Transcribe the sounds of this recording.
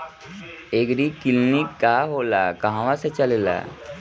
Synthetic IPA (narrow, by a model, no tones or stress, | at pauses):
eɡɾikilnikːaːɦoːla̰kɐɦãʋãset͡ʃəlela̰